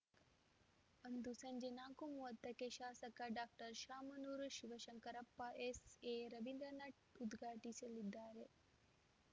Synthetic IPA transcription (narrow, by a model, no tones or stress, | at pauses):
ɐnd̪usɐɲd͡ʒenaːkumuʋɐt̪ːɐkeʃaːsɐkɐɖaːk̚ʈɐɾʃaːmɐnuːɾʃiʋɐʃɐŋkɐɾɐpːɐʔeseːɾɐʋind̪ɾɐnɐʈud̪ɡʱaːʈisɐlid̪ːaːɾe